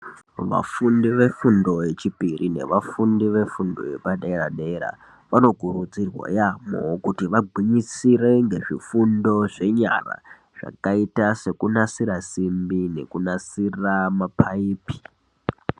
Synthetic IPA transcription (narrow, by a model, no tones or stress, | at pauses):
ʋa̰fundiʋe̞fundo̞je̞t͡ʃipirʔine̞̰ʋafundiʋe̞fundo̞̰je̞̰paɗeeɾaɗeɾa̰ | ʋano̞ɡʱurud͡zirwa̰jamo̰kutiʋaɡʱwiɲisire̞ŋɡe̞ʐifundo̞ʐe̞ɲa̰ra̰ | ʐ̥a̰kaitase̞kunasiɾasimbine̞̰kunasiramapʰaiːpi̥